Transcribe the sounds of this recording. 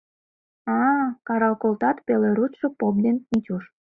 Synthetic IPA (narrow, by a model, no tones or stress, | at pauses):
ɑkɑɾɑlkolt̪ɑt̪peleɾuʃɤ̆pop̚d̪ennit͡ɕʲuʃ